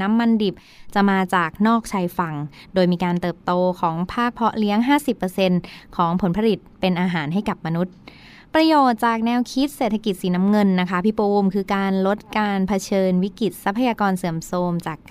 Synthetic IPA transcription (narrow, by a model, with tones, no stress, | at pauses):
na˦˥mːa˧ndi˨˩p̚ | t͡ɕa˨˩maː˧t͡ɕaː˨˩k̚nɔː˥˩k̚t͡ɕʰaː˧jfa˨˩ŋ | doː˧jmiː˧kaː˧nt̪ɤː˨˩p̚t̪oː˧kʰɔː˩˦ŋpʰaː˥˩k̚pʰɔ˦˥ʔli˦˥əŋɦaː˥˩si˨˩pːɤː˧se˧nkʰɔː˩˦ŋpʰo˩˦npʰa˧li˨˩t̪̚pe˧nʔaː˧ɦaː˩˦nɦa˥˩jka˨˩p̚ma˧nu˦˥t̪̚ | pɾa˧joː˨˩t̪̚t͡ɕaː˨˩k̚nɛː˧wkʰi˦˥t̪̚seː˨˩t̪ʰːa˧ki˨˩t̪̚siː˩˦na˦˥mŋɤ˧nːa˦˥kʰa˦˥pʰi˦˥poː˧mkʰɯː˧kaː˧nlo˦˥t̪̚kaː˧npʰa˧t͡ɕʰɤː˧nwi˦˥kɾi˨˩t̪̚sa˦˥pʰːa˧jaː˧kɔː˧nsɯ˩˦əmsoː˧mt͡ɕaː˨˩kː